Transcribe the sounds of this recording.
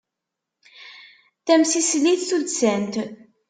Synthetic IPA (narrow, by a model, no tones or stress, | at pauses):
θæmsisliθθulsænt̪